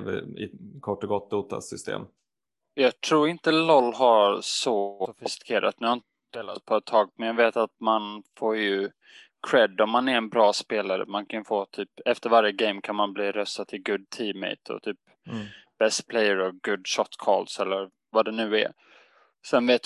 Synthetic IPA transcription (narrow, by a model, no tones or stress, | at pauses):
vɪ̰ɪ̰kʰɔʈːɔɡɔt̪̚d̪uːt̪a̰sʏst̪ḛːm | jɑːɡt̪ʰɾuːɾɪnt̪əlɔlːɦaɾsɔfɪst̪ɪ̥kʰeːɾʔa̰t̪̚nʉːhaɾɪnt̪ | d̪eːla̰t̪̚pʰɔɛt̪ʰːɑːɡ̚mɛnjaveːt̪at̪̚manfoːɾjɵ | kʰɾɛd̪ːɔmːanæɾɛnbɾɑːspeːlaɾə̰mankʰanjəfoːt̪ʰyːpɛft̪əɾvaɾjəɡɛɪmkʰanmanbliːɾœst̪ad̪t̪ʰːɪlɡʊd̪̚t̪ʰiːmɛ̰ɪt̪ʰɔ̰t̪ʰyːp | b̥ɛst̪pʰlɛjːəɾɔɡʊd̪ʃɔt̪ːkʰɔ̰lsɛlːəɾ | vad̪ɛnʉ̟ːɛ̰ | sɛnveːt̪